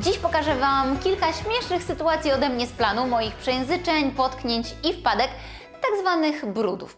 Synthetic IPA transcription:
d͡ʑiɕpɔkaʐɛvamkʲilkaɕmʲjɛʂnɘxsɘt̪uat̪sʲiɔd̪ɛmɲɛsplanumɔjixpʂɛjɛ̃w̃zɘt͡ʂɛɲpɔt̪kɲeɲt͡ɕifpad̪ɛk | t̪aɡzvanɘxbɾud̪ṵf

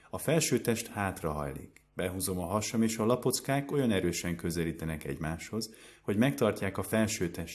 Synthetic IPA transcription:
ɒfɛlʃøːt̪ɛʃt̪haːt̪rɒɦɒ̰jlḭkb̥ɛɦuːzo̞mɒɦɒʃɒmeːʃɒlɒpo̞t̪skaːko̞jɒnɛɾøːʃɛŋkøzɛliːt̪ɛnɛkɛ̰ɟmaːʃho̞z | ho̞ɟmɛkt̪ɒrcaːkɒfɛlʃøːt̪ɛʃt̪

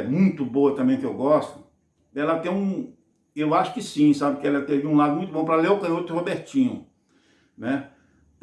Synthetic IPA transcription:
mũj̃t̪ʊboɐt̪ɐ̃bẽj̃kɪewɡɔst̪ʊ | ɛlɐt̪ẽj̃ũ | ewaʃʊ̥kɪsĩsabɪkɪɛlɐt̪ed͡ʒɪũlad̪ʊmũj̃t̪ʊbõpɾɐleʊkɐ̃j̃ot̪hobeɾt͡ʃĩɲʊ̰ | nɛ

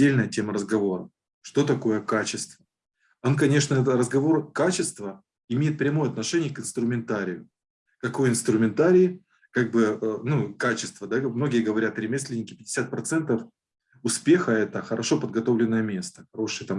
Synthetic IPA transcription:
elʲnəjətʲe̞məɾəzɡɐvo̞ɾə | ʂt̪o̞t̪ɐko̞jəkat͡ɕɪst̪və | onkɐnʲe̞ʂnəɛt̪rəzɡɐvo̞rkat͡ɕɪst̪və | ɪmʲejɪt̪̚pɾʲɛmojəɐt̪nɐʂɛnʲɪjəkɨnst̪ɾʊmʲɪnt̪aɾʲɪjʊ | kɐko̞jɪnst̪ɾʊmʲɪnt̪aɾʲɪɪ | kaɡ̚bɨənukat͡ɕɪst̪vəd̪amno̞ɡʲɪjəɡəvɐɾʲat̪ɾʲɪmʲesʲlʲɪnʲɪkʲɪ̥pʲɪdʲɪ̥sʲat̪̚pɾɐt̪sɛnt̪əf | ʊspʲe̞xəɛt̪əxəɾɐʂo̞pəd̪̚ɡɐt̪o̞vlʲɪnːəjəmʲe̞st̪ə̥xɐɾo̞ʂɨjət̪am

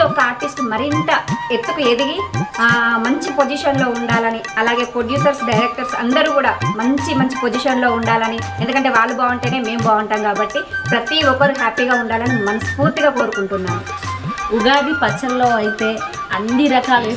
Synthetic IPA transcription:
ɔkːɐaːɾʈisʈmɐɾint̪ɐet̪ːukued̪iɡi | mɐɲt͡ʃipo̞d͡ʒiʃɐnlo̞ːuɳɖaːlɐniɐlaːɡe̞ːpɾoɖjuːsɐɾsɖɐjɾek̚ʈɐɾsɐ̰nd̪ɐɾuːkuːɽaːmɐɲt͡ʃimɐɲt͡ʃi̥po̞d͡ʒiʃɐnlo̞ːuɳɖaːlɐni | e̞nd̪ukɐɳʈeːʋaːɭːubaːʋuɳʈeːne̞ːme̞ːmbaːʋuɳʈaːmkaːbɐʈːipɾɐt̪iɔkːɐɾuɦaːpiːɡaːuɳɖaːlɐnimɐnɐspuːɾt̪iɡaːko̞ːɾukuɳʈunːaːmu | uɡaːɖ̪ipɐt͡ʃːɐlɐloːɐjit̪eː | ɐnd̪iɾɐkaːli

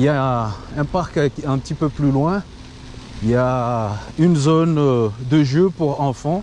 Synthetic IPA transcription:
iljaɛ̃paʁkɛ̃pət̪ipøplylwɛ̃ | ilja | ynzond̪əʒøpuʁɑ̃fɑ̃

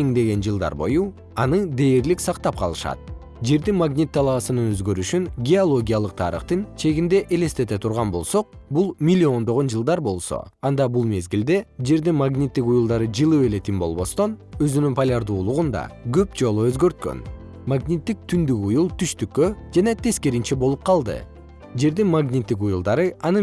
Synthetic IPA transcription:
eŋd̪e̞ɡe̞nd͡ʒɨlˠd̪ɑ̰ɾbo̞̰ju | ɑnɯd̪e̞ːɾliksɑqt̪ɑp̚qʰɑlˠɯʃɑ̰t̪̚ | d͡ʒe̞ɾd̪inmaɡnʲit̪ʰːɑlˠɑːsɯnɯnøzɡø̞ɾyʃynɡʲeolˠo̞ɡʲijalˠɯq̚t̪ʰɑ̰ɾɯ̰χt̪ɯnt͡ʃʰe̞ɡind̪e̞ʔele̞st̪e̞t̪e̞t̪ʰuɾʁɑnbo̞lˠso̞q̚ | bulˠmʲilʲːio̞nd̪o̞ʁo̞nd͡ʒɯlˠd̪ɑɾbo̞lˠso̞̰ | ɑnd̪ɑbulˠme̞zɡild̪e̞d͡ʒe̞ɾd̪inmaɡnʲit̪ːikujulˠd̪ɑɾɯd͡ʒɯlˠɯe̞le̞t̪imbo̞̰lˠβo̞st̪o̞nø̞zynynpʰalʲaɾd̪uːlˠuʁund̪ɑ̰ɡø̞pd͡ʒo̞lˠuø̞zɡø̞ɾt̪̚kø̰n | maɡnʲit̪ːik̚t̪ʰynd̪ykujulˠt̪ʰyʃt̪ykːød͡ʒɑnɑt̪ʰe̞ske̞ɾint͡ʃebo̞lˠup̚qʰɑlˠd̪ɯ̰ | d͡ʒe̞ɾd̪inmaɡnʲit̪ːik̬ujulˠd̪ɑɾɯɑnɯ

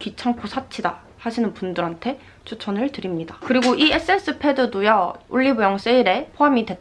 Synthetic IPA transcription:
kit͡ɕʰaŋposʰat͡ɕʰida | haɕʰinɯnpundɯɾɦantʰe̞ | t͡ɕʰut͡ɕʰʌnɯɭtɯɾimɲidakɯɾiɡoʔies͈ɯe̞ns͈ʰɯpʰe̞dɯdujʌuɭːibujʌŋs͈eiɾe̞pʰoɦamidwe̞

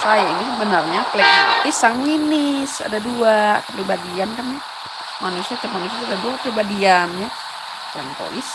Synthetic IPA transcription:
sajainisəbənarɲaklɛk̚t̪isaŋɲinɪsa̰daduakəpibadiankanja | manusiatəmanusiaadadopibadianja | aŋpo̰lɪs

